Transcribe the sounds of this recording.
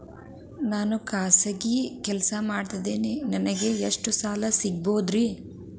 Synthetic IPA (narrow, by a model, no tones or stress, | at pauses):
naːnukaːsɐɡikɛlɐsɐmaːɖt̪ɐd̪eːninɐnɐɡe̞eʂʈusaːlɐsiɡ̚boːd̪ɾi